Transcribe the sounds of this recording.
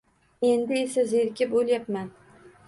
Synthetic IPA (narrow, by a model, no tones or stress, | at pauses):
e̞nd̪ɪesazeɾkʲɪpolˠjapman